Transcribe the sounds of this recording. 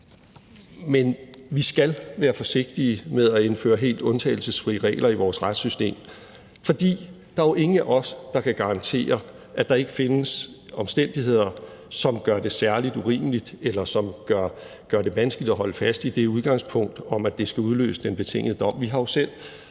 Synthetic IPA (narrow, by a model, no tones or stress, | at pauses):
menʋisɡ̥ælʋæːɐfɒ̽se̝ɡ̥̚d̥imeðˠæe̝nfø̰ːɐɦe̝̰ːld̥ɔ̽nt͡sʰɛ̰ɪl̩səsfʁḭːəʁɛ̰ːɪlʔɐiʋɒːsʁad̥sysd̥e̝̰ːm | fɒ̽d̥ḭː | d̥ɑ̈æjoʔe̝ŋn̩æʔɒ̽sd̥ɑ̈kʰæɡ̥ɑ̈ʁɑ̈nt͡sʰe̝̰ːɐ | ʔæd̥ɑ̈e̝ɡ̥əfe̝nəsɒ̽msd̥en̰d̥iɦe̝ð̰ˠɐsɒ̽mɡ̥ɶɐde̝sæɐlid̥uʁḭːməlid̥elɐsɒ̽mɡ̥ɶɐ̰ | ɡ̥ɶɐd̥e̝ʋænsɡ̥əlid̥ɒɦɒ̽ləfæsd̥id̥e̝uð̞ˠɡ̥ɑ̈ŋspʰɔ̽ŋ̰d̥ɒ̽mæd̥e̝sɡ̥æuð̞ˠlø̰ːsə̥d̥enb̥e̝t͡sʰe̝ŋ̰əð̩əd̥ɒ̽m̰ʋiɦɑ̈jo̝sel̰